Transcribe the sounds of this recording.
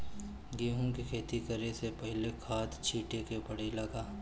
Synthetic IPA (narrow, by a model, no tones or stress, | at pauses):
ɡiːɦõkikʰeːt̪ikɐɾesepɐɦɪlekʰaːd̪t͡ʃʰiːʈekepɐɽ̤elɐɡaː